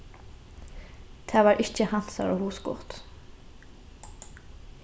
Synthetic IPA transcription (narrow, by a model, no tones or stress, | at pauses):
d̪̥ʰæːʋɑːɹʔɪçəhɑnsɑ̰ɾo̰ːhuːsɡʊ̰ʁt̪